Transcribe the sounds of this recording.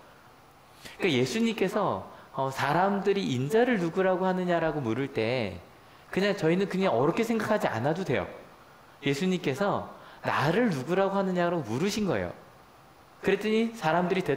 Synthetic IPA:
ikaje̞sʰuɲimk͈e̞sʰʌʌsʰaɾamdɯɾiʔːnd͡ʑaɾɯɭnuɡuɾaɡohanɯɲaɾaɡomuɾɯɭt͈e̞ | kɯɲaŋt͡ɕʌinɯnkɯɲaŋʌɾʌkʰe̞sʰe̞ŋɡakʰad͡ʑia̰nadodwe̞̰jo̰ | je̞sʰuɲimk͈e̞sʰʌna̰ɾɯɭnuɡuɾaɡoɦanɯɲaɾaɡomuɾɯɕʰinɡʌ̰ḛjo̰ | kɯɾe̞t͈ɯɲisʰaɾamdɯɾitwe

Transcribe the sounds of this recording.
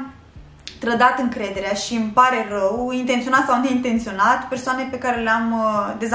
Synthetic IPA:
t̪ɾəd̪at̪ɨŋkɾe̞d̪e̞ɾeaʃiɨmpaɾe̞rəwint̪ent̪sionat̪sawne̞int̪e̞nt̪sio̞nat̪pe̞rsoane̞pe̞kaɾeleamd̪e̞z

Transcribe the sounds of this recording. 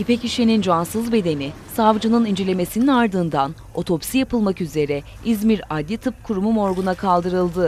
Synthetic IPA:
ipeciʃe̞nind͡ʒansɯzbe̞d̪e̞nisavd͡ʒɯnɯnind͡ʒelʲe̞me̞sininaɾd̪ɯːnd̪an | o̞t̪ʰo̞psijapʰɯlˠmakyze̞ɾɛ | izmiɾad̪ʲlːʲit̪ʰɯp̚kʰuɾumumo̞ɾɡunakʰalˠd̪ɯɾɯlˠd̪ɯ

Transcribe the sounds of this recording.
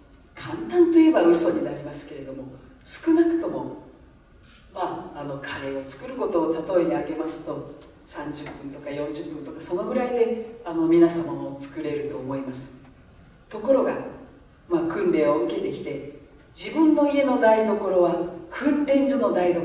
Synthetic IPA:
kʰãnt̪ãnt̪oije̞baɯ̟so̞ɲ̟inaɾʲimasɨ̥ke̞ɾe̞d̪o̞mo̞ | sɨ̥kɯ̟nakɯ̟̥t̪o̞mo̞ | maːno̞kʰaɾe̞ːo̞t͡sɨ̥kɯ̟ɾɯ̟ko̞t̪o̞ːt̪at̪o̞ed̪eaɡe̞masɨ̥t̪o̞ | sãɲ̟d͡ʑɨpːɯ̟̃nt̪o̞kajõ̞ɲ̟d͡ʑɨpːɯ̟̃nt̪o̞kaso̞no̞ɡɯ̟ɾaid̪e̞ano̞mʲinasamːonoːt͡sɨ̥kɯ̟ɾe̞ɾɯ̟t̪o̞ːmo̞imasɨ̥ | t̪o̞ko̞ɾo̞ɡa | maːkɯ̟̃nɾẽ̞o̞ɯ̟ke̞t̪e̞kʲi̥t̪e̞ | d͡ʑibɯ̟̃nːo̞ie̞no̞d̪aid̪o̞ko̞ɾo̞βakʰɯ̟̃nɾẽ̞ɲzono̞d̪aid̪o

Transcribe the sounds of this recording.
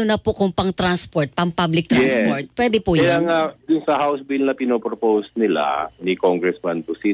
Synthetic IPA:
ʊnɐpokʊŋpɐŋt̪ɾanspoɹt̪̚pɐŋpablɪk̚t̪ɾɛspoɹt̪̚pwɛd̪ɛpujjaŋad̪ʊnsɐhawsbilnɐpɪnoːpɾopowsnɪla̰nɪkoŋɡɾɛsmɐnpʊsi

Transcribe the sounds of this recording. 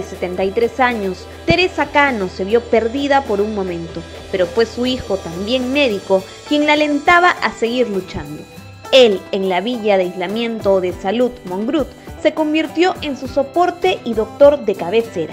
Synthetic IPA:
eset̪e̞nt̪ajt̪ɾe̞saɲo̞s | t̪e̞ɾe̞sakano̞se̞βjo̞pe̞ɾðiðapo̞ɾuŋmõ̞mẽ̞nt̪o̞ | pe̞ɾofwe̞suixo̞t̪ambje̞ŋme̞ðiko̞ | kje̞ŋlale̞nt̪aβaʔase̞ɣiɾlut͡ʃand̪o̞ | e̞leŋlaβiʝaðeajzlamjẽ̞nt̪o̞ðe̞salut̪mõ̞ŋɡɾut̪se̞ko̞mbiɾt̪jo̞ʔe̞nsuso̞po̞ɾt̪e̞ʔiðo̞k̚t̪o̞ɾðe̞kaβe̞se̞ɾa̰

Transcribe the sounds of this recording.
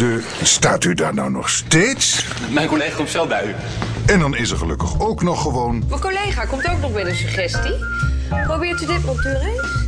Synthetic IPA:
də | staːtydaːɹnawnɔ̰χstejts | mɛjnkolejχakɔmtsɛlˠbɛjy | ɛndɑnɪsəɹχəlɵkəχowknɔχːəʋownməkolejχaːkɔmtowknɔχbɛjdənsyχɛsti | probɪːɹtydɪtərɔp̚tərɛj

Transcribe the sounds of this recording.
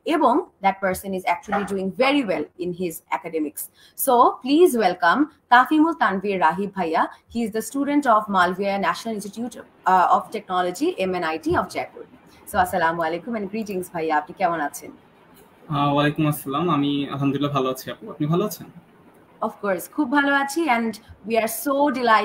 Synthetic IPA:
ebɔŋd̪æʈ̚pəɾsə̃nizæk̚t͡ʃuəliɖuĩŋveɾiwɛlɪnɦizɛ̰kaɖemiksː | opliːzwelkɐmt̪afimult̪anviɾːaɦib̚ʱːajahiːzd̪əsʈuɖeɳʈɔfmalvianæʃonəlĩnsʈiʈjuʈ | ɔfʈek̚nɔlod͡ʒiʔemenajʈiɔfd͡ʒɛkṵɖ | soɐsːɐlamwalekumɛ̃nɡɾiʈĩŋsbʱajːaap̚nikɛmonat͡ɕʰen | awalekumɐsːɐlamamia̰lɦamd̪uɾilːabʱaloat͡ɕʰiapuapnibʱaloat͡ɕʰen | ɔfkoɾskʰub̚ːʱaloat͡ɕʰiɛ̃ɳɖwiaɾsoɖilaɪ

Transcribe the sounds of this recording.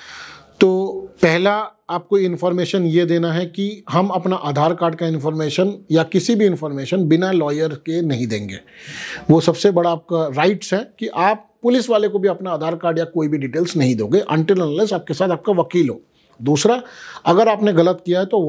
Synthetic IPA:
t̪oːpɛɦlaaːp̚koɪ̃nfɔːɾmeːʃənjed̪eːnaɦɛkiɦɐmɐpnaʔaːd̪ʱaːɾkaːɾɖ̚kaɪ̃nfɔːɾmeːʃənjakɪsibʱiɪ̃nfɔːɾmeːʃənbɪnalɔːjəɾkenɐɦĩd̪ẽːŋɡḛːʋosɐbsebɐɽaːp̚kaɾaːɪʈsɦɛ̃kiʔaːp̚ːʊlɪsʋaːlekobʱiɐpnaːd̪ʱaːɾkaːɾɖjakoːibʱiɖiːʈeːlsnɐɦĩd̪õːɡeʔɐ̃ɳʈəɾlɛnaːlɪsaːp̚kesaːt̪aːp̚kaʋɐkiːlɦoː | d̪uːsɾaɐɡəɾaːpneɣɐlət̪kijaɦɛt̪o

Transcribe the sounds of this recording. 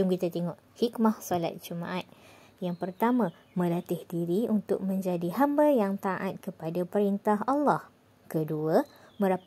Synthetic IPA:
ʊŋkit̪at̪eŋɔʔhikmahsola̰t̪̚d͡ʒumã̰ʔat̪̚ | jaŋpərt̪amã | mə̃lat̪ɪhdiɾiunt̪ʊk̚mə̃ɲd͡ʒadiɦambajaŋt̪aʔat̪̚kəpadapəɾint̪aɦalːɑh | kəduə | mə̃ɾap

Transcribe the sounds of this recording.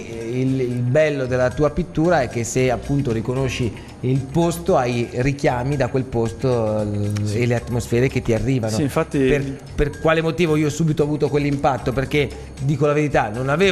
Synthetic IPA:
ililbɛlːod̪elːat̪uːapit̪ːuːɾaɛk̟ːeseapːunt̪oɾikonoʃːi | ilpost̪oajɾikjaːmid̪akwelpost̪o | eleat̪ːmosfɛːɾeket̪ːiarːiːvanoɱfat̪ːiper | perkwaːlemot̪iːvoioɔsːuːbit̪oavuːt̪okwelːimpat̪ːoperke | d̪iːkolaveɾit̪anonaveː

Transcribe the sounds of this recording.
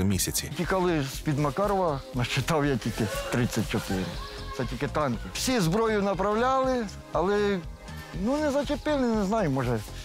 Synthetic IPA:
mʲisʲɐt͡sʲitʲikɑlˠɪsʲpʲid̪mɐkɑɾɔʋɐnɐʃt͡ʃɪt̪ɑwjatʲilʲkɪt̪ɾɪt͡sʲːɐt̚ʲt͡ʃɔt̪ɪɾɪ̰ | t̪ɛtʲilʲkɪt̪ɑnkɪwsʲizbɾɔjʊnɐpɾɐwlʲalˠɪ | ɐlˠɛ | nunɛzɐt͡ʃʲɪpɪlˠɪnɛznɑjʊmɔʒɛ

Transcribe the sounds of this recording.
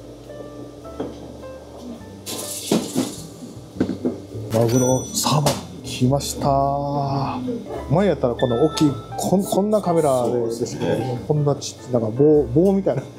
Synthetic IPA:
mazɨɾosaba | kʲʰimaɕi̥t̪a | maejat̪ːaɾako̞nooːkʲːiːkʰokʰõ̞nːakame̞ɾad̪ed̪e̞sɨ̥ked̪omokõnːat͡ɕi̥d̪ãŋkaboːbo̞ːmʲit̪aina

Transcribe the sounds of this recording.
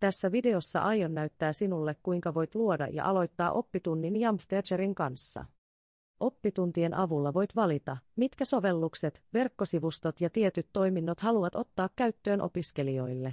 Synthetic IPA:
t̪æsːæʋide̞o̞sːɑ̰ʔɑjo̞nːæɥt̪ːæːsinulːekkujŋkɑʋo̞jt̪luo̞dɑ̰jɑ̰ʔɑlo̞jt̪ːɑːʔo̞pːit̪unːinjɑmft̪et͡ʃeɾiŋkɑnsːɑ̰ | ʔo̞pːit̪unt̪ie̞nʔɑʋulːɑʋo̞jt̪ʋɑlit̪ɑmit̪kæso̞ʋe̞lːukset̪ʋe̞rkːo̞siʋust̪o̞t̪jɑt̪ie̞t̪yt̪ːo̞jminːot̪hɑluʋɑt̪o̞t̪ːɑːkːæɥt̪ːø̞ːnʔo̞̰piske̞lio̞jlːe̞

